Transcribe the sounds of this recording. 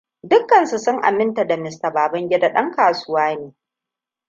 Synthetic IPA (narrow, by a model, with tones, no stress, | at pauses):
dʊ˦kːɐ˨nsu˨sʊ˦ŋʔa̰˨mɪ˦nta˨da˨mɪ˨sta˨baː˨bɐ˦ŋɡʲɛ˦da˨ɗɐ˦ŋkaː˨sʊ˦waː˦neː˨˦